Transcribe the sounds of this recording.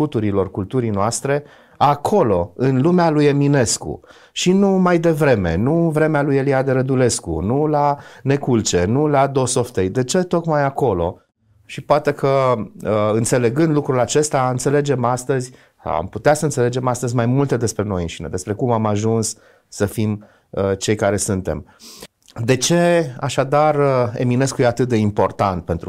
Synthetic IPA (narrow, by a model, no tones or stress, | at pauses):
ut̪uɾilo̞rkult̪uɾijnoast̪ɾe̞ | akʰo̞lo̞ɨnlumealuje̞mine̞skṵ | ʃinumajd̪e̞vɾe̞me̞̰nuvɾe̞mealujeliad̪eɾəd̪ule̞skṵnulane̞kult͡ʃe̞nulad̪o̞soft̪ejd̪e̞t͡ʃe̞t̪o̞kmajako̞lo̞̰ | ʃipoat̪e̞kʰəəɨnt̪se̞le̞ɡɨnd̪lukɾulat͡ʃe̞st̪aɨnt̪se̞le̞d͡ʒe̞mast̪əz̰ʲ | a̰mput̪easəɨnt̪sele̞d͡ʒe̞mast̪əzʲmajmult̪e̞d̪e̞spɾe̞no̞̰jɨnʃinḛd̪e̞spɾe̞kumamaʒunsː | əfim | ət͡ʃe̞jkaɾe̞sɨnt̪e̞̰m | d̪e̞t͡ʃe̞aʃad̪arəḛmine̞skuje̞at̪ɨt̪̚d̪e̞impo̞rt̪ant̪̚pe̞nt̪ɾu